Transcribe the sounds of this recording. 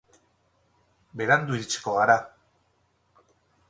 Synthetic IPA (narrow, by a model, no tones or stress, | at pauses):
be̞ɾand̪uɾit͡ʃkoaɾa